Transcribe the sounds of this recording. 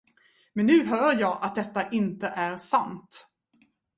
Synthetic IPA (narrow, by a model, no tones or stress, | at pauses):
mɛnːʉ̟ːɦœːɾjɑːʔat̪̚d̪ɛt̪ːaʔɪnt̪əʔæɾsant̪